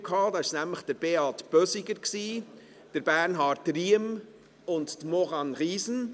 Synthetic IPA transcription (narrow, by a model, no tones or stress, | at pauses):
kʰhɑːdɑːɪʃnæmləχd̥əɾb̥eɑtb̥œsiɡəɾksiː | d̥əɾb̥æːɾnɦɑːɾtriəm | ʊnttmɔʁɑnʁiːsn̩